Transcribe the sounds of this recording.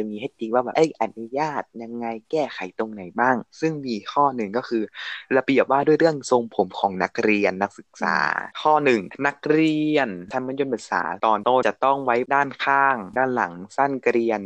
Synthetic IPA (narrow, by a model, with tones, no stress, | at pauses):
a˨˧miː˧ɦeː˧˩t̪̚ːi˧ŋwaː˥˩bɛː˨˩ʔa˦˥˩jʔa˨˩t̪̚nu˦˥jaː˥˩t̪̚ja˧ŋːa˧jkɛː˥˩kʰa˨˩˦jt̪o˧ŋna˨˩˦jbaː˥˩ŋsɯ˥˩ŋmiː˧kʰɔː˥˩nɯ˨˩ŋkɔː˥˩kʰɯː˧ɾa˧bi˨˩əp̚waː˥˩du˥˩jɾɯ˥˩əŋso˧ŋpʰo˨˩˦mkʰɔː˩˦ŋna˦˥k̚ɾi˧ənːa˦˥k̚sɯ˨˩k̚sa̰ː˩˦kʰɔː˥˩nɯ˨˩ŋna˦˥k̚ɾi˧ənt̪ʰa˧ma˧˥˦njo˧npʰɯ˨˩k̚sa̰ː˩˦t̪ɔː˨˩nt̪oː˧˩t͡ɕa˨˩t̪ɔ˥˩ŋwa˦˥jdaː˥˩nkʰaː˧˥˩ŋdaː˥˩nla̰˨˩˦ŋsa˥˩nkɾi˧ən